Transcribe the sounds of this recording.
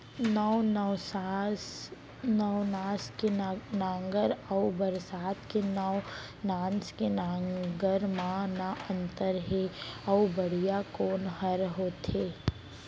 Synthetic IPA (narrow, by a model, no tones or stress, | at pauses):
nənsa | nəwnaːskenãːŋɡəɾəːbəɾsaːt̪kenəw | nãːnskenaɡəɾmãnaə̃nt̪əɾɦeɐʊbəɽ̤ijakoːnɦəɾɦoːt̪ʰeː